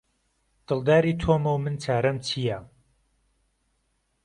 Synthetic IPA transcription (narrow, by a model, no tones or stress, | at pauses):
d̪̥ɨlˠd̪aːɾiːt̪ʰoːmɐwmɨnt͡sʰaːɾɐmt͡sʰija